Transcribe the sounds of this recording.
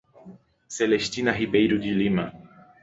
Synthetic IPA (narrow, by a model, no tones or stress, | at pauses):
selest̪inɐɦibejɾud͡ʒilimɐ̰